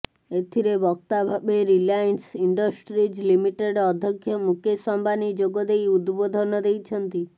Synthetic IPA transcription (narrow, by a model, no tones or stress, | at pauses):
et̪ʰiɾebɔk̚t̪abʱabeɾilajnsiɳɖɔsʈɾid͡ʒlimiʈeɖɔd̪ʱjɔkʰjɔmukesɔmbanid͡ʒoɡɔd̪ejud̪bod̪ʱɔnɔd̪ejt͡ʃʰɔnt̪i